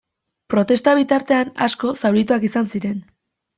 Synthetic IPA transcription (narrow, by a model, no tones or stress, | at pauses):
pɾo̞t̪e̞st̪aβ̞it̪aɾt̪e̞ana̰sko̞sawɾit̪uakisansiɾe̞n